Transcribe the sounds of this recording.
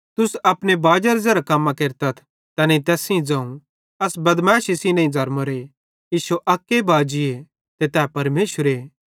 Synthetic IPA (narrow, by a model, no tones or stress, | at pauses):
t̪ʊsɐpnebaːd͡ʒɐɾzɛɾakɐmːãkeːɾt̪ɐt̪ʰ | t̪ɐnet̪ɛːsĩd͡zɐ̃ːũ | ɐsbɐd̪mɛːʃisĩnɐ̃ĩd͡zʱɐɾmoɾe | iːʃuʔɐkːebaːd͡ʒɪe | t̪et̪ɛːpɐɾmeːʃəɾe